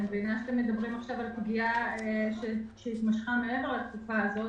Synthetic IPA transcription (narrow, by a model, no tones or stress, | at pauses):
mbenaʃeat̪emːe̞d̪abʁimaχʃavalpɡiaeʃeʃeit̪maʃχamee̞veʁaltkufaːzo̞